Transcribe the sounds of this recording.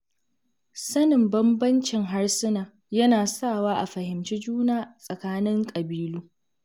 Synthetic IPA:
sɐ˦nɪ˨mbɐ˦mbɐ˦nt͡ʃɪ˨ŋɦa˦rsɪ˦naː˨ | jɐ˦naː˨saː˦˨waː˦ʔa̰˨ɸɐ˨hɪ˨mt͡ʃiː˦d͡ʒuː˦naː˨sʼɐ˨kaː˦nɪ˦ŋkʼɐ˨biː˦luː˦

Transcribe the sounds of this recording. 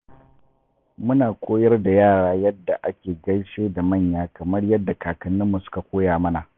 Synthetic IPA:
mʊ˦naː˨kʷʼoː˦jɐ˦rda˨jaː˦˨ɽaː˦jɐ˦dːa˨ʔa˦kʲeː˨ɡɐ˦ɽʃeː˦da˨mɐ˦˨ɲjaː˦kɐ˨mɐ˦rjɐ˦dːa˨kaː˨kɐ˨nːɪ˦mːu˨sʊ̥˦ka˨kʷoː˦jaː˨mɐ˦na˨

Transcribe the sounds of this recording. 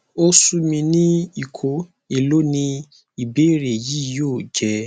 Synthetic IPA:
o˦su˦mĩ˧nĩ˦i˨kʰo˨˦ | e˦˨lo˦nĩ˧ | i˨be˦ɾe˨ji˨˦joː˦˨d͡ʒɛ˧

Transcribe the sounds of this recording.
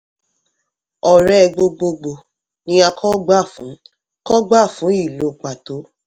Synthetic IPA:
ɔ˨ɾɛ˦˨˧ɡ͡bo˧ɡ͡bo˧ɡ͡bo˧ | nĩ˧˦a˧kʰɔ˦ɡ͡ba˦˨fũ˨˦ | kɔ˦ɡ͡ba˦˨fũ˨˦i˦˨lo˨k͡pa˨to˨˦

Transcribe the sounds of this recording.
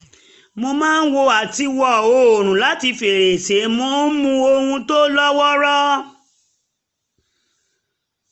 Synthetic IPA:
mo˧mãː˦n̩˦wo˧a˨ti˧wɔ˦˨o˨ɾ̃ũ˨la˨˦ti˧fe˨ɾe˨se˨˦mo˧˦n̩˦mũ˧o˧hũ˧to˦lɔ˦wɔ˦ɾɔ˦

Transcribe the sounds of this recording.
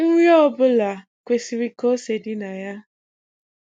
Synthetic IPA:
ŋ̩˦wʷjɔ˦bʊ˦la˨ | kʷe˨si˨ɾi˨ko˦se˨dɪ˦na˨ja˦

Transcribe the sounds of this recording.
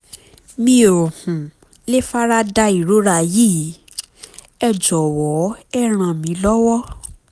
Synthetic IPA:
mĩ˧˦o˨ɾo˨hũ˨ | le˦fa˦ɾa˦da˧i˨ɾo˦ɾa˧˨ji˦˨ | ɛ˧d͡ʒɔ˨wɔ˨˦ɛ˦˨ɾ̃ã˧˨mĩ˨˦lɔ˦wɔ˦

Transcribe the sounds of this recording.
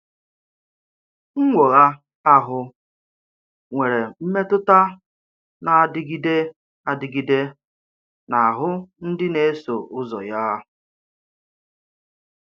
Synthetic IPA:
ŋ̩˦ŋʷo˨ɣa˦ | a˦ɦʊ˦ | ŋʷe˨ɾe˨m̩˦me˦tʊ˦ta˦ | na˨a˨dɪ˦ɡi˦de˦ | a˨dɪ˨ɡi˦de˦ | na˨a˨ɦʊ˦n̩˦dɪ˦ne˦e˦so˨ʔʊ˦zɔ̰˨ja˦

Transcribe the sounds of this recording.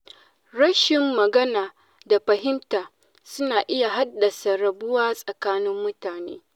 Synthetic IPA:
ɽɐ˦ʃɪ˨mːɐ˨ɡɐ˦naː˨ | da˨ɸɐ˨ɦɪ˦mtaː˨ | sʊ˦naː˨ʔɪ˦ja˨ɦa˦dːɐ˨sa˨ɾɐ˨bʊ˦waː˦sʼɐ˨kaː˦nɪ˦mːʊ˦taː˨nḛː˦

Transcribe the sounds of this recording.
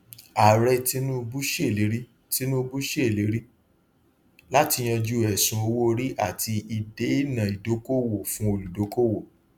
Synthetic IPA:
a˨ɾɛ˧ti˧˦nũ˦˧bu˦ʃe˦˨le˨˦ɾi˦ | ti˧˦nũ˦˧bu˦ʃe˦˨le˨˦ɾi˦ | la˦ti˧j̃ã˧d͡ʒu˦˨ɛ˨sũ˨˧o˧wo˦˧ɾi˦ʔa˦˨tʰi˧ʔi˧˨de˦i˦˨nã˨i˨do˨˦ko˦wo˨fũ˦o˧lu˨do˨˦ko˦wo˨

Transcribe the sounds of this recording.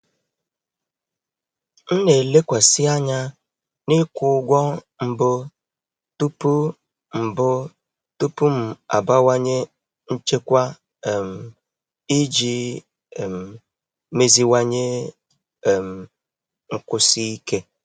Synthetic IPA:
n̩˦ne˨le˦kʷa˨sɪ˦a˦ɲa˦ | nɪ˦kʷʊ˨˦ɡʷɔ˦ | m̩˨bʊ˦ | tu˦pu˦ | m̩˨bʊ˦ | tu˦pu˦m̩˨a̰˨ba˦wa˦ɲe˦ | n̩˦t͡ʃe˦kʷa˦˨ | m̩˨ | i˦d͡ʒi˦˨ | m̩˨ | me˦zi˦wa˦ɲe˦˨ | m̩˨ | ŋ̩˨kʊ˨si˦i˦ke˦

